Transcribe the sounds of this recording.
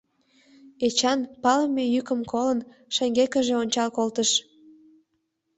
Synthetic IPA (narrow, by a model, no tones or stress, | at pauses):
et͡ɕɑnpɑləmejykəmkolən | ʃeŋɡekəʒeonʲt͡ɕɑlkolt̪əʃ